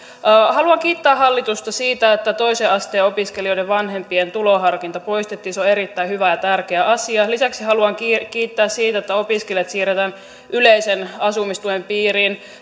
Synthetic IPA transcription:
hɑluɑŋkiːt̪ːæːhɑlːit̪ust̪ɑsiːt̪æet̪ːæt̪o̞iseːɑst̪eːopiskelioideʋʋɑnhe̞mpient̪uloɦɑrkint̪ɑpo̞ist̪et̪ːiːnsoeɾit̪ːæihyʋæjɑt̪ærkeæʔɑsiɑlisæksihɑluɑŋkːkiːt̪ːæːssiːt̪æet̪ːæo̞piskelijɑt̪siːret̪æːn | ʔyleisenɑsumist̪uempiːɾiːn

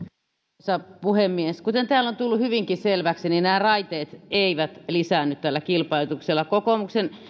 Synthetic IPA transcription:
sɑpuhemːieskut̪ent̪æːlːont̪ulːuhyʋiŋkiselʋæksininæːrɑit̪eːt̪eiʋæt̪lisæˑnːyt̪t̪ælːækilpɑit̪ukselːɑkokomuksen

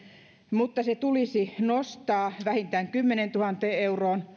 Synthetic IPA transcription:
mut̪ːɑset̪ulisinost̪ɑːʋæhint̪æːŋkymːenent̪uhɑnt̪eːeuroːn

